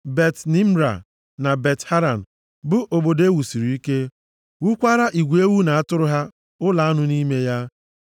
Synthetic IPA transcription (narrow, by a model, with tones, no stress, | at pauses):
be˨tni˦m̩˦ɾa̰˨ | na˨be˨tha˦ɾa˨n̩˨ | bʊ˦ʔo˨bo˨de˦wu˨si˨ɾi˨i˦ke˦ | wu˦kʷa˦ɾa˦ʔi˨ɡʷe˦wu˦na˨a˦tʊ˦ɾʊ˦ɦa˦ | ʊ˦la˨a˦nʊ˦ni˦me˦ja˦